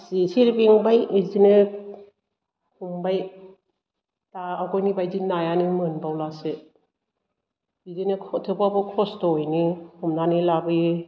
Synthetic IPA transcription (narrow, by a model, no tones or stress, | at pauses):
sisiɾbiŋbajizinɯ | kuŋbaj | taakɔjnibajdinajanimɯnbawlase | izinɯkʰtʰɯpabɯkʰɔstɔjnihumnanilabɯj